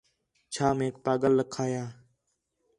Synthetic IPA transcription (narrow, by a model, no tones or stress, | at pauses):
t͡ʃʰaːmeːkpaːɠəlːəkʰaːjaː